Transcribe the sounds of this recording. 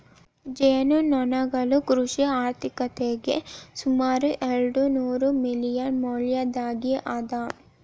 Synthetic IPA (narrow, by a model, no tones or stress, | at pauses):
d͡ʒeːnunɔnɐɡɐlukɾuʃiaːɾt̪ʰikɐt̪eːɡesumaːɾuʔelɖunuːɾumilijɐnmoːljɐd̪aːɡiʔad̪aː